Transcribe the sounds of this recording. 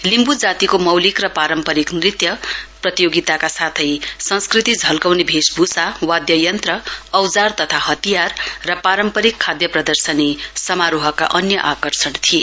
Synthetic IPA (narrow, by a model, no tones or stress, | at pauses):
limbud͡zat̪ikomʌwlikrʌpaɾʌmpʌɾiknrit̪jʌprʌt̪ijoɡit̪akasat̪ʰʌjsʌ̃nskrit̪id͡zʱʌlkawnebʱesbʱusawad̪jʌjʌnt̪rʌːwd͡zart̪ʌt̪ʰahʌt̪ijarːʌpaɾʌmpʌɾikʰːad̪jʌprʌd̪ʌrsʌnesʌmaɾuɦʌkːa̰ʔʌnjʌʔakʌrsʌnt̪ʰie